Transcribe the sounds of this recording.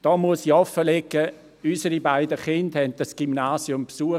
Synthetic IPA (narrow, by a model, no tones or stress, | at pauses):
d̥ɔːmuəsiɔfːəlɛkːə | ysəɾibaɪdəχɪndhɛnt̚d̥asɡ̥imnaːsjʊmpsuə